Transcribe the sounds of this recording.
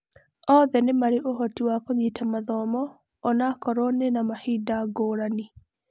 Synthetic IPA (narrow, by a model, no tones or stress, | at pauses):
ɔðɛnemaɾeʔoɦɔtiwakoɲitamaðɔmɔː | nakɔɾonenamahidaɡoɾani